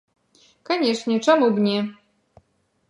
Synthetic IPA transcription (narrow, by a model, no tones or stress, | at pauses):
kɔɲɛt͡ʂɲɛt͡ʂɛmubɲɛ